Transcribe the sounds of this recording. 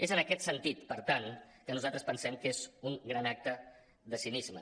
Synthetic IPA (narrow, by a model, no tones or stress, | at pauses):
ezənəkɛt̪sənt̪it̪pəɾt̪ankənuzalˠt̪ɾəspənsɛmkezuŋɡɾanak̚t̪ə | ðəsinizmə̰